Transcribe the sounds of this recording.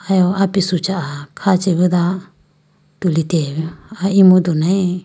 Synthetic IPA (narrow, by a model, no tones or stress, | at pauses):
ajoapisut͡ʃaʔakʰat͡ʃiβid̪a | t̪ulit̪eβiaimũd̪unãĩ